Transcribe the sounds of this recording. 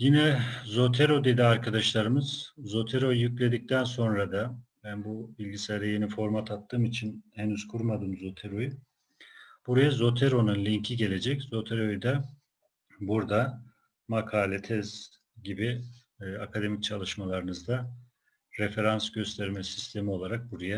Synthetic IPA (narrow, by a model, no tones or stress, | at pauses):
jinɛzo̞t̪ʰe̞ɾo̞d̪e̞d̪iaɾkʰad̪aʃlˠaɾɯmɯz̥zo̞t̪ʰeɾo̞jjyclʲe̞d̪ic̚t̪ʰænso̞nɾad̪abænbubilʲɟiseɾejenifo̞ɾmat̪ʰat̪ʰːɯːmit͡ʃʰinhenyz̥kʰuɾmad̪ɯmzo̞t̪ʰe̞ɾo̞ju | b̥uɾajazo̞t̪ʰe̞ɾo̞nunlʲiɲcʰiɟe̞lʲe̞d͡ʒɛczo̞t̪ʰeɾojd̪ɛ | buɾd̪a | makʰaːlʲet̪ʰɛz | ɟibi | akʰad̪e̞mic̚t͡ʃʰalˠɯʃmalˠaɾɯnɯzd̪a | ɾefe̞ɾansɟø̞st̪ʰɛɾmɛsi̥st̪ʰe̞mio̞lˠaɾak̚buɾaja